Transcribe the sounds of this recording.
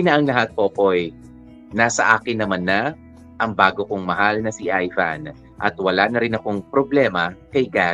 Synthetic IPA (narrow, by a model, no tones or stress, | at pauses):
nɐʔɐŋlɐɦat̪̚poʔɐpoj | naːsɐʔaːkɪnːɐmanːɐ | ʔɐŋbaːɡokoŋmɐɦalnɐsiʔajfa̰n | ʔɐ̰t̪wɐlaːnɐɾɪnɐko̞ŋpɾoblɛːmɐkɐjɡa